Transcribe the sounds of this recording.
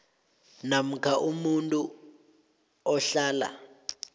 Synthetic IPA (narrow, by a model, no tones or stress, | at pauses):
nam̩kʰaʔumuntʼu | ɔɬaːla̰